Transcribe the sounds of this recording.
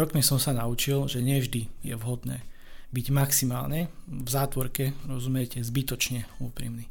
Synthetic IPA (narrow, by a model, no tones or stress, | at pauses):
ɾɔkmisɔmsanaut͡ʃilʒɛɲɛvʒd̪ijɛ̰ʋɦɔd̪nɛ̰ː | biɟmaksimaːlɲɛvzaːt̪ʋɔɾkɛɾɔzumɪɛcɛzbit̪ɔt͡ʃɲɛuːpɾḭːmni